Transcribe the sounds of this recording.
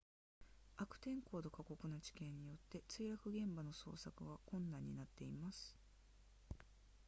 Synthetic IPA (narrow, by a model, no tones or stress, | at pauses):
akɯ̟̥t̪ẽ̞ŋko̞ːd̪o̞kako̞kɯ̟nat͡ɕi̥kẽ̞ɲ̟ːijo̞t̪ːe̞t͡sɨiːjakɯ̟ɡẽ̞mbano̞so̞̰ːsakɯ̟ɡakõ̞nːãɲ̟ːinat̪ːe̞imasɨ̥